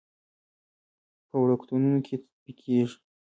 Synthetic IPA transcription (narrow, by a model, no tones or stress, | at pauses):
pəwɽakt̪ununokʰe | pikʰeʒ